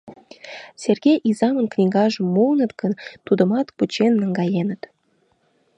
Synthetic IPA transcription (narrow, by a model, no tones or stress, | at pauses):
sʲerɣʲejʔizɑmənknʲiɣɑʒəmːownət̪kənt̪ud̪ə̆mɑt̪put͡ɕenːəŋɡɑjenət̪